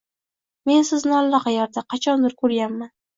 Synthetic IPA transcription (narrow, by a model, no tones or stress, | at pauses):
me̞nsɪznɪalˠːɒqɑjɒɾd̪aqʰɑt͡ʃʰɒnd̪ɪɾkʰɵɾɡʲanːan